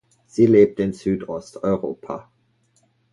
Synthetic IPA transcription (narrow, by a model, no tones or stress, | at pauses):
z̥iːleːp̚təɪnzyːdɔstʰɔʏʁo̰ːpʰa̰